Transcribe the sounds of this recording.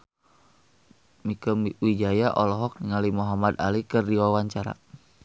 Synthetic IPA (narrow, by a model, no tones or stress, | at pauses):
mikəmwid͡ʒajaʔɔlɔɦɔk̚niŋalimuɦamad̪a̰likərdiwawaɲt͡ʃaɾa̰